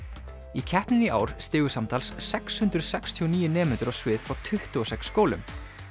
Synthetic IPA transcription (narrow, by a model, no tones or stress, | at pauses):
icʰɛhpnɪniʔa̰ːwɾ̥st̪ɪːɣʏsamt̪ʰalsːɛkshʏnt̪ɾʏ̥sɛkst̪ʰiɔniːjʏnɛːmɛnt̪ʏɾɔsvɪːð̥fɾawt̪ʰʏht̪ʏɔsɛksːkoːwlʏ̰m